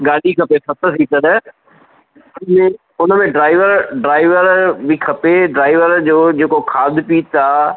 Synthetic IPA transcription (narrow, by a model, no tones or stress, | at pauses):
ɡaːɽikʰɐpesɐt̪əsiːt̪ənə | ʊnmẽ | ʊnəmẽɖɾaːɪʋəɾɖɾaːɪʋəɾbikʰɐpeɖɾaːɪʋəɾd͡ʑoːd͡ʑeːkokʰaːd̪ʱpiːt̪aː